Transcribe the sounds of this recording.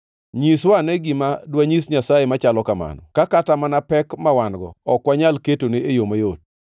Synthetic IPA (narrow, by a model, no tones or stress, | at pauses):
ɲiswanɛɡɪmadwaɲisɲasajemat͡ʃalɔkama̰nɔ̰kakatamanapɛkmawanɡɔ̰ɔkwaɲalketoneejomajot̚